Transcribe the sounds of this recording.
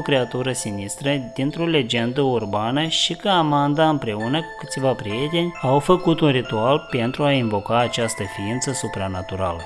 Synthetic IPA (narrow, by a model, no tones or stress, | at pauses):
okɾe̞at̪uɾəsinist̪ɾəd̪int̪ɾo̞le̞d͡ʒe̞nd̪əurbanəʃikəamand̪aɨmpɾe̞unəkɨt̪sʲvapɾije̞t̪e̞nʲawfəkut̪unrit̪ualpe̞nt̪ɾuainvo̞kaːt͡ʃast̪əfiint̪səsupɾanat̪uɾa̰lə